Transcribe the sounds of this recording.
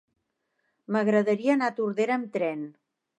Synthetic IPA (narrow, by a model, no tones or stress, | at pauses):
məɣɾəðəɾiəːnat̪uɾðeɾəmt̪ɾɛn